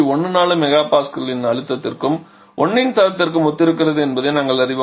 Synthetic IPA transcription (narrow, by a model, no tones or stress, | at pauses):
ɔɳnːɯnaːlɯmɛɣaːpaːskɐɾlɪnɐɻɯt̪ːɐt̪ːɪrkɯm | ʔɔnːɪnt̪aːɾɐt̪ːɪrk̬ɯmɔt̪ːɪɾɯk̬ːɪrɐðɯɛnbɐðenaːŋɡɐɭɐɾɪʋɐ